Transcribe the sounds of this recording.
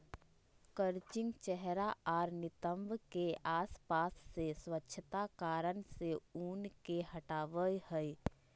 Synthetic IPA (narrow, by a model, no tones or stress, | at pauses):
kəɾt͡ʃɪ̃ŋɡt͡ʃɛɦɾaɔːɾnɪt̪ə̃mbkeaːspaːsːeswətːʃʰət̪akaːɾənseuːnkehɐʈaːʋəjhɛi